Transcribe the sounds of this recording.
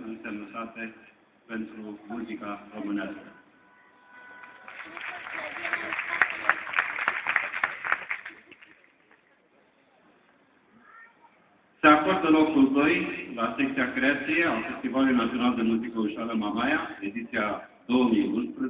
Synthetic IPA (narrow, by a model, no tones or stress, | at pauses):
ɨnseməsat̪e | pent̪ɾumuzikaɾomɨneaskə | seakoɾd̪əlokuld̪ojlasektt͡ʃ̪iakɾeat̪sijeawfest̪ivalinat̪ijonald̪emuzikəuʃaləmamajaed̪it̪sija | d̪owəmijunspɾə